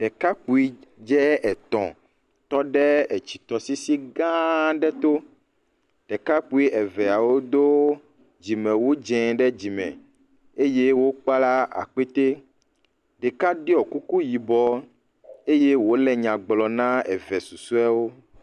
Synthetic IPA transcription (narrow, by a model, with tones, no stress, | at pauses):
ɖ̥ɛ˨ka˦k͡pu˨i˦d͡ʒɛ˦ɛ˨t̪ɔ̰̃˨ | t̪ɔ˦ɖɛ˦ɛ˨t͡ɕi̥˨t̪ɔ˨si˦si˦ɡã˦ɖɛ˦t̪o˦ | ɖ̥ɛ˨ka˦k͡pu˦i˦ʔɛ˨vɛ˨a˨wo˦d̪o˦ | d͡ʑi˨mɛ̃˨wo˦d͡ʒɛ̃˨ɖɛ˦d͡ʑi˨mɛ̰̃˨ | e˦je˦wo˦k͡pa˦la˦a̰˨k͡pe˦t̪e˦ | ɖɛ˨ka˦ɖi˦ɔ˨ku˦ku˦ji˨bɔ˨ | e˦je˦wo˦lɛ˨ɲã˨ɡ͡blɔ˨nã˦ɛ̰˨vɛ˨su˨su˦a˦wo˦